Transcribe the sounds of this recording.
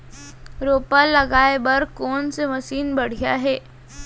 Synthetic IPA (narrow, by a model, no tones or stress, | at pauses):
ɾoːpallːəɡaːebəɾkoːnseməsiːnbəɽ̤ija̰ɦeː